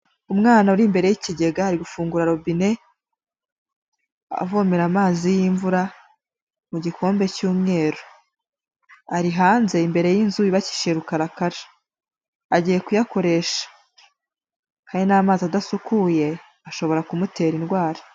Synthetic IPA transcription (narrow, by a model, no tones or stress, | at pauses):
umŋaːnauɾimbe̞ɾe̞jiciɟe̞ɡahaɾiɡufuːŋɡuɾaɾo̞bine̞ | a̰voːmeɾamaːzijiːɱvuɾa | muɟikʰo̞ːmbe̞cuːmŋe̞ːɾo | aɾiɦaːnze̞imbe̞ɾe̞jinzujiβaci̥ʃeɾukaɾakaɾi | aɟiːje̞kujako̞ɾe̞ʃḁ | kaːɲinaːmaːziadasukuje̞ | aʃo̞βo̞ɾakumute̞ːɾinɡwaːɾi